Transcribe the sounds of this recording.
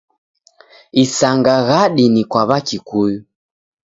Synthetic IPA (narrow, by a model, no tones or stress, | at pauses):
isaŋɡaɣaɗinikwaβakikuju